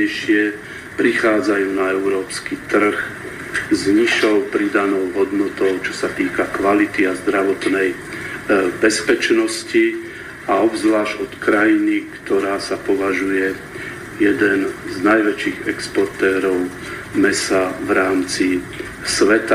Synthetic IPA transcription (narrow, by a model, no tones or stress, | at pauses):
ɛjʃɪɛ | pɾixaːd͡zajuːnaɛʊɾɔːpskit̪r̩x | zɲiʃɔʊpɾid̪anɔʊɦɔd̪nɔt̪ɔʊt͡ʃɔ̥sat̪iːkakʋalit̪iazd̪ɾaʋɔt̪nɛj | bɛspɛt͡ʃnɔsci | aɔbzlaːʒɟɔt̪kɾajinikt̪ɔɾaːsapɔʋaʒujɛ | jɛd̪ɛnznajʋɛt͡ʃiːɣɛkspɔɾt̪ɛːɾɔʊ | mɛsavɾaːmt͡si | sʋɛt̪a